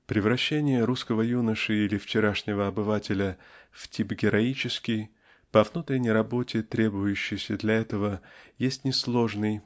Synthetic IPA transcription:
pɾʲɪvɾɐɕːenʲɪjəɾuskəvəjunəʂɨilʲɪft͡ɕɪɾaʂnʲɪvəɐbɨvatʲɪlʲəftʲipɡʲɪɾɐit͡ɕɪskʲɪj | pɐvnut̪ɾʲɪnʲɪjɾɐbo̞tʲɪt̪ɾʲe̞bʊjʉɕːɪjsʲəd̪lʲɐɛt̪əvəjesʲtʲnʲɪslˠo̞ʐnɨj

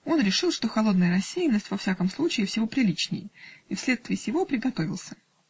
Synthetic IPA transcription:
o̞nɾʲɪʂɨlˠʂt̪o̞xɐlˠo̞d̪̚nəjəɾɐsʲːejɪnːəsʲtʲvɐfsʲakəmslˠut͡ɕɪːfsʲɪvo̞pɾʲɪlʲit͡ɕnʲɪ̰jəifsʲlʲe̞t̪st̪vʲɪːsʲjʲɪvo̞pɾʲɪɡɐt̪o̞vʲɪlˠsʲə̥

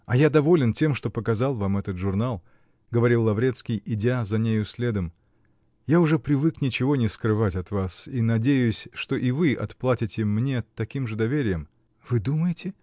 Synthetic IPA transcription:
ɐjad̪ɐvo̞lʲɪntʲe̞mʂt̪o̞pəkɐzalˠvamɛt̪ət̪ʐʊrnalˠ | ɡəvɐɾʲilˠːɐvɾʲe̞t̪skʲɪjɪdʲazɐnʲejʊsʲlʲe̞d̪əm | jaʊʐɛpɾʲɪvɨknʲɪt͡ɕɪvo̞nʲɪskɾɨvatʲɐt̪vasinɐdʲejʊsʲʂt̪oʔɪvɨʔɐ̰t̪plˠatʲɪtʲɪmnʲe̞t̪ːɐkʲimʐɨd̪ɐvʲeɾʲɪjəm | v̥ɨd̪uməjɪtʲɪ

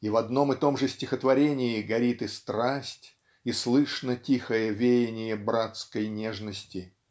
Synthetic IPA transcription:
ivɐd̪no̞mɨt̪o̞mʐɨsʲtʲɪxət̪vɐɾʲenʲɪɪɡɐɾʲit̪ɨst̪ɾasʲtʲ | islˠɨʂnətʲixəjəvʲejɪnʲɪjəbɾat̪skəjnʲeʐnəsʲtʲɪ

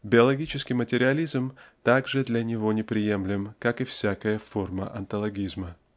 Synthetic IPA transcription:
bʲɪɐlˠɐɡʲit͡ɕɪskʲɪjmətʲɪɾʲɪɐlʲizmt̪aɡʐɨd̪lʲɐnʲɪvo̞nʲɪpɾʲɪje̞mlʲɪmkakɨfsʲakəjəfo̞rmə̰ʔɐnt̪əlˠɐɡʲizmə

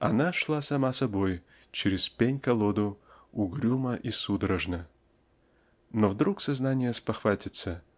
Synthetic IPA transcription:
ɐ̰naʂlˠasɐmasɐboj | t͡ɕɪɾʲɪspʲenʲkɐlˠod̪ʊʊɡɾʲuməʔisud̪ɾəʐnə | novd̪ɾuksɐznanʲɪjəspɐxvatʲɪt̪sə

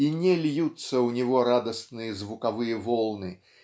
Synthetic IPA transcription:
inʲɛlʲjut̪sːɐwnʲiɣɔɾad̪ɐsnɨjɐzvukavɨjɐvɔlˠnɨ

